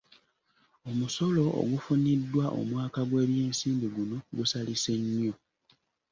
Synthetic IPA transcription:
o̞muso̞lo̞ʔo̰ɡufunidːwaʔo̞̰mwaːkaɡwe̞ːβje̞ːnsiːmbiɡuno̞ɡusalise̞ɲːo̞

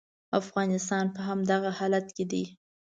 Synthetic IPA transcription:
afɣɑnɪst̪ɑnpəɦamd̪aɣahɑlat̪ked̪i

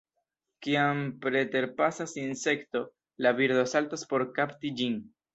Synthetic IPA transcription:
kiampɾe̞te̞ɾpasasinse̞kto̞ | laviɾd̪o̞saltaspo̞ɾkaptid͡ʒin

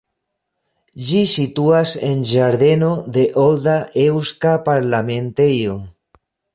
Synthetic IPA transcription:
ʒisit̪uasḛnʒaɾðenoðeʔold̪aʔewskapaɾlamẽnt̪ejo

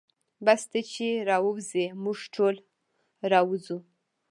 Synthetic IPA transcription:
bast̪at͡ʃeɾɑwəwzemuʐʈʰol | ɾɑwzu

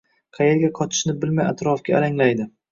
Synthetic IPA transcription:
qʰɑjeɾɡʲaqʰɒt̪ʰɪ̥ʃnɪbɪlmajat̪ɾɒfɡʲaːɾaŋlajd̪ɪ

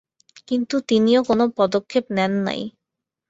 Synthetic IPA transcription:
kint̪ut̪iniokonopɔd̪okʰːepnɛnːa̰j

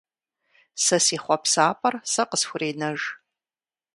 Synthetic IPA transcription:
sɐsiːχʷɔpsaːpʼɐrsɐqəsxʷʊreːnɐʒ

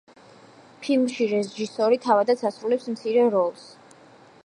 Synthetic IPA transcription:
pʰilˠmʃiɾɛʒisɔɾit̪ʰavad̪at̪sʰasɾulɛpsmt̪sʰiɾɛɾɔlˠs

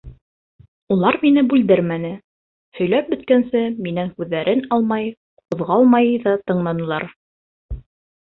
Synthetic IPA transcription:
ulˠɑɾminɘbʉld̪ɘɾmænɘ | hɵ̆jlæp̚bɵ̆t̪̚kænsɘminæŋkʉðːæɾʔɘnɑlˠmɑj | qŏðʁɑlˠmɑjðɑt̪ɤ̆ɴlˠɑnɤ̆lˠɑɾ

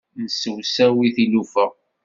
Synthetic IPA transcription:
nəsəwsæwiθilufəʁ

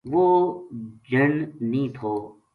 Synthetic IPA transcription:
ʋoː | d͡ʒənnĩːt̪ʰoː

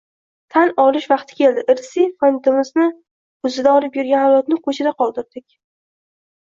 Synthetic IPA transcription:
t̪ʰanɒlˠɪʃvɑqt̪ʰɪ̥kʲʰe̞ld̪ɪʔɪɾsifont̪ʰɪmɪznɪ | ʊzɪd̪aɒlɪpjʊɾɡʲanhajɒt̪nɪqʰot͡ʃʰɪd̪aqʰɒlˠd̪ɪɾd̪ɪkʲ

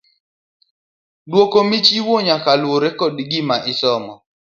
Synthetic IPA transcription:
dwokomit͡ʃiwoɲakalwoɾɛkɔdɡimaʔɪsɔmɔ

